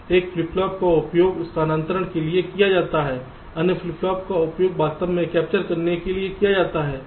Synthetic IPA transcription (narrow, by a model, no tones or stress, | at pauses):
eːkflɪplɔːp̚kaʊpjoːɡʊst̪ʰaːnãnt̪ɾəɽ̃keliekijad͡ʒaːt̪aɦɛː | ɐnəflɪplɔːp̚kaʊpjoːɡ̚baːt̪əbmẽkɛːp̚t͡ʃəɾkɐɾnekeliekijad͡ʒaːt̪aɦɛː